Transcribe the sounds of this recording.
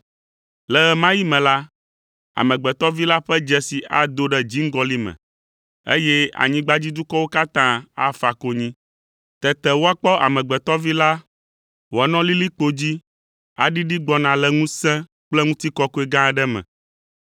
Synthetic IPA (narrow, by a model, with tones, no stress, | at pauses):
lɛ˨ɣɛ˨mã˦ji˦mɛ̃˨la˦ | a̰˨mɛ̃˨ɡ͡bɛ˨t̪ɔ˦vi˦la˦ɸɛ˦d͡ʒɛ˦si˨ʔa̰˨d̪o˦ɖɛ˦d͡ʑi˦ŋ̩˦ɡɔ˦li˦mɛ̰̃˨ | ḛ˦jɛ˦a̰˨ɲĩ˦ɡ͡ba˦d͡ʑi˦d̪u˦kɔ˦wo˦ka˦t̪ã˦a̰˦fa˨ko˦ɲĩ˦ | t̪ɛ˨t̪ɛ˨wo˦a˦k͡pɔ˦ʔa̰˨mɛ̃˨ɡ͡bɛ˨t̪ɔ˦vi˦la˦ | wo˨a˨˦nɔ̃˦li˦li˦k͡po˦d͡ʑi˦ | a̰˨ɖi˦ɖi˦ɡ͡bɔ˦nã˨lɛ˨ŋũ˦sɛ̃˦ | k͡plɛ˦ŋũ˦t̪i˦kɔ˦ko˦e˦ɡã˦˨ɖɛ˦mɛ̰̃˨